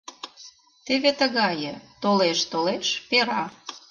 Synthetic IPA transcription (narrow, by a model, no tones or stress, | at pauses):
t̪eβet̪əɣɑjə̆t̪oleʃt̪oleʃpeɾɑ